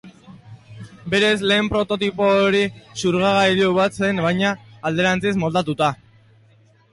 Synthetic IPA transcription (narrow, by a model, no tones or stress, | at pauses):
be̞ɾe̞zle̞ːmpɾo̞t̪o̞t̪ipo̞ːɾisuɾɣaɣaʎoβat͡se̞nβajɲaːld̪e̞ɾant͡sizmo̞ld̪at̪ut̪a